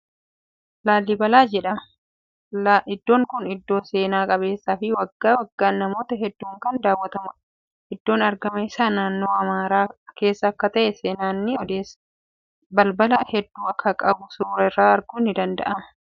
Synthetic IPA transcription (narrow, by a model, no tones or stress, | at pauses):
laːlːiːbɐlaːd͡ʒɛᶑɐm | laʔɪd̪ːo̞ːŋkʊnɪd̪ːo̞ːse̞ːnaːkʼɐβe̞ːsːaːfɪwɐɡːaːwɐɡːaːnnɐmo̞ːt̪ɐɦɛd̪ːuːŋkɐnd̪aːwːɐt̪ɐmɐ | ʔɪd̪ːo̞ːnɐɾɡɐmɐɪsaːnaːnːo̞ːɐmaːɾaːke̞ːsːɐːkːɐt̪ɐʔɛseːnaːnːɪɔd̪eːs | bɐlbɐlɐhɛd̪ːuːɐkʰːɐkʼɐbʊsuːɾɐɪrːaːɐɾɡunːɪd̪ɐnd̪ɐ̰ʔɐmɐ